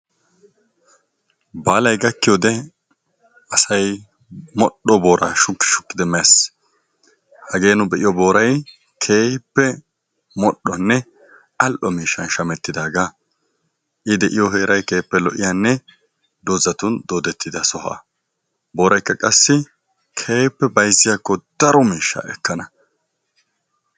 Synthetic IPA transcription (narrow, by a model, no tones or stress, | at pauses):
baːlɐjɡɐkːɪjod̪ɛ | ɐsɐj | mɔɗɔbo̞ːɾa̰ːʃʊkːɪ̥ʃʊ̥kːɪd̪ɛmɛs | hɐɡe̞ːnʊbɛʔɪjɔbo̞ːɾɐj | kʰe̞ːpːɛ | mɔɗːɔnːɛ | ʔɐlʔɔmiːʃːɐnʃɐmɛt̪ːɪd̪aːɡa | ʔɪd̪ɛʔɪjɔɦe̞ːɾɐjke̞ːpːɛlɔʔɪjaːnːɛ | d̪ozɐt̪ʊnd̪oːd̪ɛt̪ːɪd̪ɐsɔɦa̰ː | bo̞ːɾɐjkːɐkʼɐsːɪ | kʰe̞ːpːɛbɐjzːɪjaːkːɔd̪̥ɐɾɔmiːʃːa̰ɛkːɐnɐ